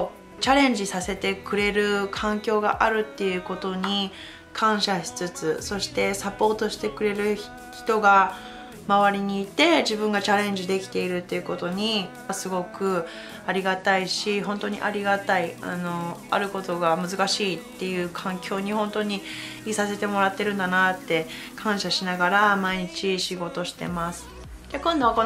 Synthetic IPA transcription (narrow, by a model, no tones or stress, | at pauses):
t͡ɕaɾẽ̞ɲ̟d͡ʑisase̞t̪e̞kɯ̟ɾe̞ɾɯ̟kʰãŋkʲo̞ːɡa̰ʔaɾɯ̟t̪ːe̞jɯ̟ko̞t̪o̞ɲ̟i | kʰãɰ̃ɕaɕi̥t͡sɨt͡sɨso̞ɕi̥t̪e̞sapo̞ːt̪o̞ɕi̥t̪e̞kɯ̟ɾe̞ɾɯ̟ | çi̥t̪o̞ɡa | maβaɾʲiɲ̟iːt̪e̞d͡ʑibɯ̃ŋɡat͡ɕaɾẽ̞ɲ̟d͡ʑid̪e̞kʲi̥t̪e̞iɾɯ̟t̪ːe̞jɯ̟ko̞t̪o̞ɲ̟i | asɨɡo̞kɯ̟ | aɾʲiɡat̪aiɕiɦõ̞nt̪o̞ɲ̟ḭʔa̰ɾʲiɡat̪aia̰no̞a̰ɾɯ̟ko̞t̪o̞ɡamɯ̟zɨkaɕiːt̪ːe̞jɯ̟ːkʰãŋkʲʰo̞ːɲ̟ihõ̞nt̪o̞ɲ̟i | iːsase̞t̪e̞mo̞ɾat̪ːe̞ɾɯ̟̃nd̪anat̪ːe̞ | kʰãɰ̃ɕaɕinaɡaɾamaiɲ̟it͡ɕiɕiɡo̞t̪o̞ɕi̥t̪e̞̰masɨ̥ | d͡ʑakõnd̪o̞βakon